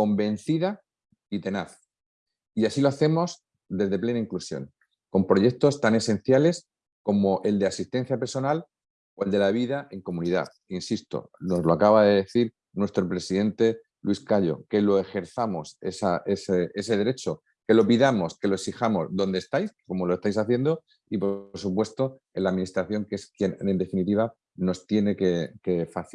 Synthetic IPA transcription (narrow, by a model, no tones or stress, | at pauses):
ko̞mbe̞n̟θiða | it̪e̞naθ | iasilo̞aθe̞mo̞s | d̪e̞zðe̞ple̞naiŋklusjo̰ŋ | ko̞mpɾo̞ʝe̞k̚t̪o̞st̪ane̞se̞n̟θjale̞s | ko̞mo̞ʔe̞ld̪e̞asist̪e̞n̟θjape̞ɾso̞nal | o̞e̞ld̪e̞laβ̞iðaʔe̞ŋko̞mũniða̰ | insist̪o̰no̞zlo̞akaβaðe̞ðe̞θiɾ | nwe̞st̪ɾo̞pɾe̞siðe̞nt̪e̞ | lwiskaʎo̞̰ke̞lo̞e̞xe̞ɾθamo̞sesaesee̞se̞ðe̞ɾe̞t͡ʃo̞ | ke̞lo̞piðamo̞ske̞lo̞eksixamo̞zðo̞nd̪est̪ajsko̞mo̞loest̪ajsaθje̞nd̪o | ipoɾsupwe̞st̪o̞ | elaðminist̪ɾaθjo̞ŋkeskje̞nend̪e̞finit̪iβa | no̞st̪je̞ne̞ke̞ke̞faθ